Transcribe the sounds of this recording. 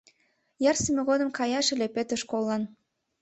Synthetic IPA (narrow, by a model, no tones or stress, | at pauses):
jɑrsimeɣod̪ə̆mkɑjɑʃelepet̪əʃkolˠːɑn